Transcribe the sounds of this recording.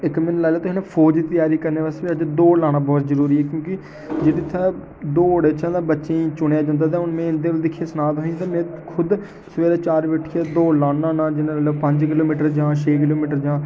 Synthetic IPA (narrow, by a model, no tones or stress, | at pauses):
ɪkmɪnlaːlaːt̪õːɦnẽːpʰoːd͡ʒt̪ɪjaːɾiːkəɾneːbəst̪biːəd͡ʒd̪oːlaːɽ̃aːbɔːt̪zəɾuːɾiːɦɛːkjõːkɪ | d͡ʒeːɽiːt̪ʰaː | d̪oːəɽeːt͡ʃãːd̪ãːbətːʃẽːiːt͡ʃʊɽjaːd͡ʒãːnd̪aːt̪ãːʊnmɛ̃ːɪnd̪eːld̪ɪkʰːjeːsənaːt̪ɦõːt̪ãːmɛ̃ːkʰʊd̪ | səʋeːɾaːt͡ʃaːɾʋeːʈʰːiːɛːd̪oːlaːnãːnãːd͡ʒɪnãːələbpəɲd͡ʒkɪloːmiːʈəɾd͡ʒãːʃʰeːk̬ɪloːmiːʈəɾd͡ʒãː